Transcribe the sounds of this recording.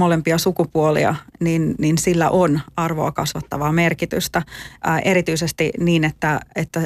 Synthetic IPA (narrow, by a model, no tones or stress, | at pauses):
molempiɑsukupuolḭɑ̰ninninsilːæ̰ʔonɑrʋo̰ɑkɑsʋɑt̪ːɑʋɑːmerkit̪y̰st̪æʔeɾit̪yisest̪iniːnet̪ːæet̪ːæ